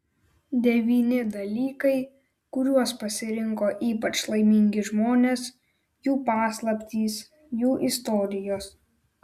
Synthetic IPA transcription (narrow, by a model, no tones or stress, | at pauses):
d̪ʲɛʋʲiːnʲɪd̪ɐlʲiːkɐɪ | kʊɾʲuɔspɐsʲɪɾʲɪŋkoːʔiːpɐt͡ʃlˠɐɪmʲɪŋʲɡʲɪʒmoːnʲeːs | juːpɑːslˠɐpʲt̪ʲiːs | juːʔɪst̪ɔːɾʲɪjoːs